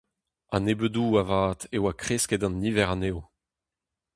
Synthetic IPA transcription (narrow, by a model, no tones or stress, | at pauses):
a̰nebøduːavaːt̪ewakχeskedɑ̃niːvɛʁanew